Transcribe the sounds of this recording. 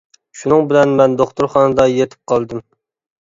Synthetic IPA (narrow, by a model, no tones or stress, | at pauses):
ʃunɨŋbɪlɛnmɛnd̪oχt̪uɾχɑnɨd̪ɑjet̪ʰɪ̥p̚qʰɑlˠd̪ɨm